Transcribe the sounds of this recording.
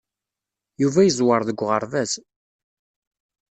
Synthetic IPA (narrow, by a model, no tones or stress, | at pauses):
juvæjəzˤwəɾˤðəɡʷːʁəɾˤvæz